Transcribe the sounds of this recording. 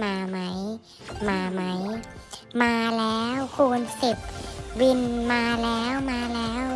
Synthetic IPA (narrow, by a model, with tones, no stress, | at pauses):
maː˧ma˦˥j | maː˧ma˦˥j | maː˧lɛː˦˥wkʰuː˧nsi˨˩p̚wi˧nmaː˧lɛː˦˥wmaː˧lɛː˦˥w